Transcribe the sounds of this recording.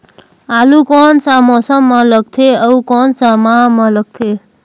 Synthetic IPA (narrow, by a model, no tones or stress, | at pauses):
alukɔnsamɔsəmːʌləɡ̚t̪ʰeəukɔnsamamʌləɡ̚t̪ʰe